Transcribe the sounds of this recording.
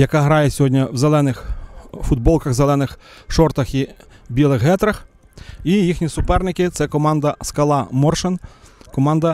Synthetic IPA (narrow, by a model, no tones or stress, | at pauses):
jɐkɑɦɾɑjɛsʲɔɦɔdʲnʲɐwzelˠɛnɪxfʊd̪̚bɔlˠkɐɣzelˠɛnɪxʃɔrt̪ɐxi | bʲilˠɪxɦɛt̪ɾɐx | ijixnʲisʊpɛrnɪkɪt̪sɛkɔmɑnd̪ɐskɐlˠɑmɔrʃenkɔmɑnd̪ɐ